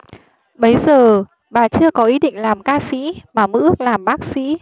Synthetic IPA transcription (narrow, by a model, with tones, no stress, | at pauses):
ɓə˨˦jzəː˨˩ | ɓaː˨˩t͡ɕɨ˧əkɔ˨˦ʔi˨˦ɗḭ̈˧˨ŋ̟laː˨˩mkaː˧sḭ˧˥maː˨˩mɨ̰˧˥ɨ˦˥ək̚laː˨˩mɓaː˦˥k̚sḭ˧˥